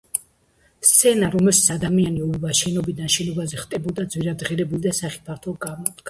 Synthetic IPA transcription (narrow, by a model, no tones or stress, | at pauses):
st̪sʰɛnaɾɔmɛlʃit̪sʰad̪amianiɔuvaʃɛnɔbid̪anʃɛnɔbazɛχt̪ʼɛbɔd̪ad̪zwiɾad̪ʁiɾɛbulˠd̪asaχi̥pʰaɾt̪ʰɔlˠɡamɔd̪ɡ̥ʰa